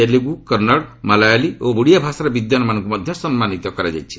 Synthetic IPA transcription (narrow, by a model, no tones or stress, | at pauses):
eliɡukɔɾnaɽmalajalioɡuɽijabʱasaɾɔbid̪janɔmanɔ̃ŋkumad̪ʱjɔsɔmmanit̪ɔkɔɾad͡ʒa̰jt͡ʃʰi̥